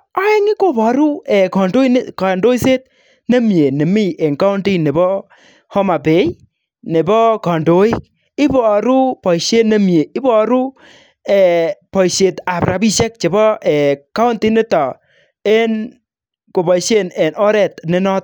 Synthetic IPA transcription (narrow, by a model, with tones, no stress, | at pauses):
a˦ɛ˦ŋɪ˦ko˦pɔ˨ɾu˦ɛ˨kɔ˨ndo˦i˦n˦ka˨ndo˦i˦se˦t̚ | ne˦mje˨ne˨mi˦˨ʔe˨ŋka˦u˦nti˦ne˨bɔ˦ | hɔ˦ma˨pe˨˦j | ne˨bɔ˦kɔ˨ndo˨˦i˦k | ɪ˦bɔ˨ɾu˦pɔ˨iʃe˦ne˦mje˨ɪ˦bɔ˦˨ɾu˦ | ɛ˨pɔ˨iʃe˨ta˨pɾa̰˨bi˦ʃe˦k̚t͡ʃe˨bɔ˦ɛ˨ka˦u˦nti˦nɪ˦tɔ˨ | e˦n | ko˨bɔ˨i˨ʃe˦nɛ˨nɔ˦ɾɛ˨tne˦nɔ˦t̚